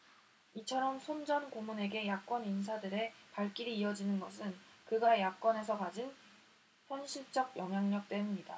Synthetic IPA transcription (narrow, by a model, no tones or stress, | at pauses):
it͡ɕʰʌɾʌmsʰond͡ʑʌnkomune̞ɡe̞jak͈wʌnins̬ʰadɯɾe̞paɭk͈iɾiːʌd͡ʑinɯnɡʌsʰɯnkɯɡajak͈wʌne̞s̬ʰʌkad͡ʑin | çjʌnɕʰiɭt͡ɕ͈ʌɡ̚jʌŋɦjaŋɲʌk̚t͈we̞nmɲida